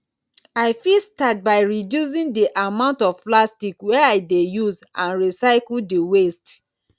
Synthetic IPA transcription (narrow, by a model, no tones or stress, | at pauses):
aɪfilstat̚baɪɹidjus̬ĩndiʔamãʊ̃ntɔvplastikwɛɛaɪdejuzãnɹisaɪkl̩dewest